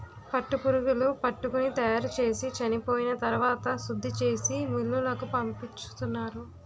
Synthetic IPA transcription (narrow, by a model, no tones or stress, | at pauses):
pɐʈːupuɾuɡulupɐʈːukunit̪ɐjaːɾut͡ʃe̞ːsit͡ʃɐnipo̞ːjinɐt̪ɐɾuʋaːt̪ɐsud̪ʱːit͡ʃe̞ːsimulːulɐkupɐmpit͡ʃːu̥t̪unːaːɾu